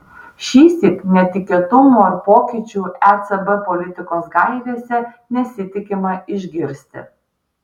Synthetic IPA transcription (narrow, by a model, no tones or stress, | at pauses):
ʃʲiːsʲɪknʲɛt̪ʲɪkʲeɛt̪ʊmoːɪɾpoːkʲɪt͡ʃʲuːæt̪sɛbɛpɔlʲɪt̪ʲɪkoːsɡɐɪʋʲeːsʲɛ | nʲɛsʲɪt̪ʲɪkʲɪmɐɪʒʲɡʲɪɾʲsʲt̪ʲɪ̰